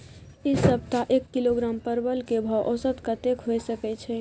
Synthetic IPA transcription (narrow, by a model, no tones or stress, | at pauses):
isəb̚t̪aʔekːiloɡɾampəɾbəlkebʱawʔɔsət̪kət̪ekɦojsəkɛt͡ʃʰɛ